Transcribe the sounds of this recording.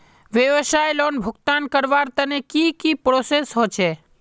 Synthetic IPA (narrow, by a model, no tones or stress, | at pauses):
ʋjəʋəsajlonbʱʊkt̪ankəɾʋaɾt̪ənekikipɾosesɦot͡ʃʰe